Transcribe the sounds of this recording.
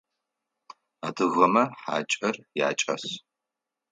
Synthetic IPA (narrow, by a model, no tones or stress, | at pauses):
aːdɨɣɐmɐħa̰ːt͡ʃʼɐrja̰ːt͡ʃʼɐ̰s